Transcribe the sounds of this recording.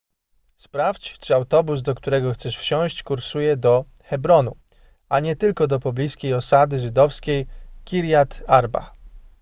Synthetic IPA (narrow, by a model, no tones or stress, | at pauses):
spɾaft͡ɕt͡ʂɘawt̪ɔbuzd̪ɔkt̪uɾɛɡɔxt̪sɛʂfɕɔ̃w̃ɕt͡ɕkuɾsujɛd̪ɔ | xɛbɾɔnu | aɲɛt̪ɘlkɔd̪ɔpɔblʲiskʲejɔsad̪ɘʐɘd̪ɔfskʲejkʲiɾʲjat̪aɾba̰